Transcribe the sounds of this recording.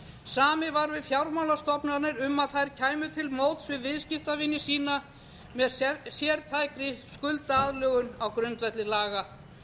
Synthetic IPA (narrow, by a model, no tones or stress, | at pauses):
saːmɪvaɾvɪðfjawɾmawlast̪ɔpnaɾnɪɾʏmːaðθajɾ̥cʰaːjmʏt̪ʰɪlmoːwt̪svɪðvɪðscɪft̪avɪnːɪsiːna | mɛðsjɛɾt̪ʰaːjkɾɪskʏlt̪aaːðlœːɣʏnawkɾʏnt̪vɛt̪lɪlaːɣa